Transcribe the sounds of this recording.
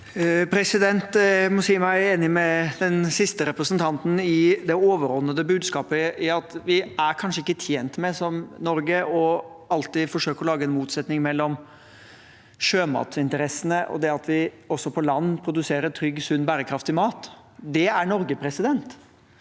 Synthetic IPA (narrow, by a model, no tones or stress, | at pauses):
pʰɾɛsɪd̪ɛnt̪mʊsiːmɑæɾeːnɪmɛd̪ɛnsɪst̪əɾɛpɾəsənt̪ʰɑnt̪n̩ɪd̪ɛoːʋəɾɔnːəd̪əbʉːd̪skɑːpəɪɑt̪ʋɪæɾkʰɑnʂəɪkːət̪ʰjeːnt̪mɛsɔmnɔɾɡəɔɑlt̪ɪfɔʂøːkəɾɔlɑːɡəɛnmuːt̪sɛt̪nɪŋmɛlːɔm | ʂøːmɑ̰ːt̪sɪnt̪əɾɛsːənəʔɔ̰d̪ɛɑt̪ʰʋɪ | ɔsːɔpʰɔlɑnːpʰɾʊd̪ʉseːɾəɾt̪ʰɾʏɡːsʉnːbæːɾəkʰɾɑft̪ɪmɑːt̪ | d̪ɛæɳɔɾɡəpʰɾɛsɪd̪ɛnt̪